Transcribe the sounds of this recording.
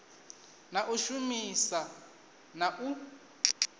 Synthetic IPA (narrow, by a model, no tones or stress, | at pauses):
naʔuʃumisa | naʔu